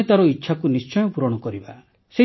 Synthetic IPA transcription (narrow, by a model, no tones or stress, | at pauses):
et̪aɾɔitːʃʰakunist͡ʃɔjɔpuɾɔɽ̃ɔkɔɾiba̰ | se